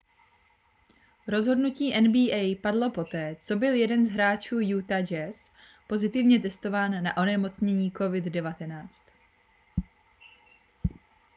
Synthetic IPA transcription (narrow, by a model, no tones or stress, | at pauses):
ɾo̞zɦo̞dnuciːʔɛnbiːʔɛjpadlo̞po̞t̪ɛːt͡so̞bɪljɛdɛnzɦɾaːt͡ʃuːjut̪ad͡ʒɛs | po̞zɪt̪ɪvɲɛt̪̬ɛst̪o̞vaːnːaʔo̞nɛmo̞t͡sɲɛɲiːko̞vɪddɛvat̪ɛnaːt͡st̪